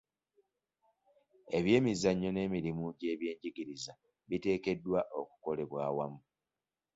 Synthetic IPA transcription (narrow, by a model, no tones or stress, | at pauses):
e̞βje̞ːmizaɲːo̞ne̞ːmiɾimuɟe̞ːβje̞ːɲɟiɡiɾiza | βite̞ːke̞dːwaʔo̞ku̥ko̞le̞βwaːwamu